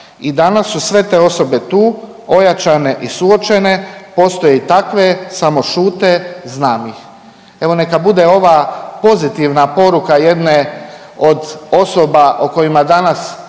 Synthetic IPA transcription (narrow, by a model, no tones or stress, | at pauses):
id̪anasːusʋe̞t̪e̞ːo̞so̞be̞t̪uː | o̞jat͡ʃane̞ʔisuo̞t͡ʃe̞ne̞po̞st̪ojeit̪akʋe̞samo̞ʃuːt̪e̞znaːmix | e̞ʋo̞ne̞kabud̪eo̞ʋapo̞zit̪iʋnapo̞ɾukaje̞d̪ne | o̞d̪o̞sobaʔoko̞jimad̪anas